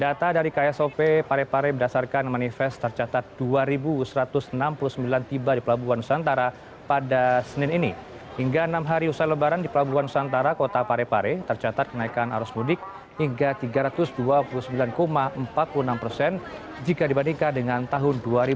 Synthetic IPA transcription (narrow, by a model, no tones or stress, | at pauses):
dat̪adaɾikajasopepaɾepaɾɛbədasarkanmanifɛst̪ərt͡ʃat̪at̪̚d̥uaɾibusəɾat̪ʊsnampuluhsəmbilant̪ibadipəlabuanu̥sant̪aɾa | padasənɪnini | hiŋɡaənamɦaɾiusaləbaɾandipəlabuanusant̪aɾakot̪apaɾepaɾɛt̪ərt͡ʃat̪at̪̚kənaikana̰ɾɔsmudɪk̚ | hiŋɡat̪iɡaɾat̪ʊsduapuluhsəmbilankomaəmpat̪̚puluənampərsɛn | d͡ʒikadibandiŋkadəŋant̪aɦʊnduaɾi